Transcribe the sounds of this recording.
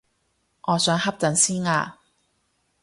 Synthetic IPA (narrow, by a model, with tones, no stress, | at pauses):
ŋɔː˨˧sœː˨˥ŋhɐ˥p̚t͡sɐ˨˥nsiː˥nŋaː˧